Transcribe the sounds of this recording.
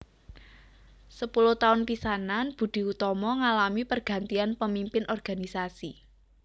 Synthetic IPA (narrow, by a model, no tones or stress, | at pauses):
səpuluht̪aʊnpisananb̥ṳd̪̥i̤ut̪ɔmɔŋalamipərɡ̥a̤nt̪ianpəmimpɪnʔɔrɡ̥a̤nisasi